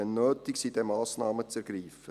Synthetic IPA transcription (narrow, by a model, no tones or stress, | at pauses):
ɛnːøːtɪksid̥ɛmɑːsnɑːmət͡sɛɾɡ̥riːfə